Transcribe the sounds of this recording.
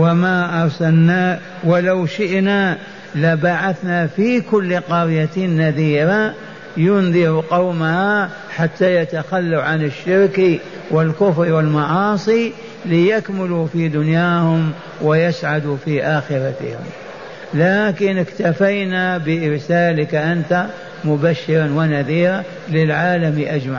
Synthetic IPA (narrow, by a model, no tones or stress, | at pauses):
wamaʔɑɾˤsalna | wɪlawʃɪʔna | lɪbaʕaθnafikʊlːqɑɾjat̪nːaðiːɾa | jʊnðˤɪɾuqɑwmaha | ħat̪ːajat̪axalːaʕanɪʃːɪɾki | wɪlkʊfɾiwɪlmɑʕɑːsˤi | lɪjakmɪlufid̪ʊnjaːhʊm | wɪjasʕad̪ufiʔaːxɪɾat̪ɪ̰hɪ̰m | laːkɪnɪkt̪afajnabɪɪɾsaːlɪkaʔant̪a | mʊbaʃːɪɾˤanwɪnaðiːɾa | lɪlʕaːlamiʔad͡ʒmaʕ